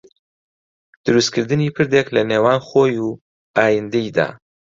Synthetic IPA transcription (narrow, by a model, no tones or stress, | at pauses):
d̪̥əɾuskəɾd̪ənipəɾd̪eklanewɑnxoju | ɑjɪnd̪ajd̪a̰